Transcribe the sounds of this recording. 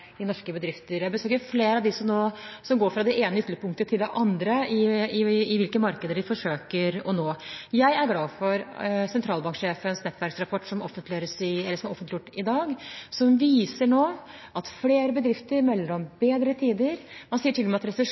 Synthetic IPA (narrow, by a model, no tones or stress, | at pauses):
ɪnɔʂkəbəd̪ɾɪft̪əɾjæɪbəsøːkəɾfleːɾɑʋd̪ɪsɔmnoːsɔmɡoːɾfɾɑd̪ɛeːnəʏt̪ləpʰʊŋkt̪ət̪ʰɪld̪ɛʔɑnd̪ɾəɪɪɪʋɪlkəmɑɾkəd̪əɖɪfɔʂøːkəɾɔ̰noːjæɪæɾɡlɑːfɔɾsɛnt̪ʰɾɑːlbɑŋkʂeːfənsnɛt̪ʰːʋæɾksɾɑpʰɔʈːʂɔmɔ̰fːənt̪lɪøːɾəsɪɛlːəʂɔmæɾɔfənt̪lɪjʊʈːɪd̪ɑːɡsɔmʋiːsəɳoː | ʔɑt̪fleːɾəbəd̪ɾɪft̪əɾmɛlːəɾɔmbeːd̪ɾət̪ʰiːd̪əɾmɑnsiːəʈʰɪlːɔmɛɑt̪ɾɛsəʂ